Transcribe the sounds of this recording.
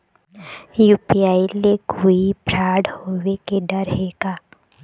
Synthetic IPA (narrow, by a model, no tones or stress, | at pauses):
juːpiaːilekuipɾaːɽhoːʋekeɖəɾɦeːkaː